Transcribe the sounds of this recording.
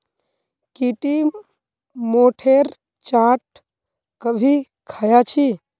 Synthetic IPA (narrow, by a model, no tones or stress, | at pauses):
kiʈi | moːʈʰeɾ | t͡ʃãʈ̚ | kəbʱi | kʰajat͡ʃʰi